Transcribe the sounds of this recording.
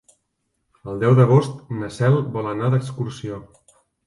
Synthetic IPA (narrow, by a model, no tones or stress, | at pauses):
əlˠd̪ɛwðəɣ̞ost̪nəsɛlˠbɔlənaðəkskursio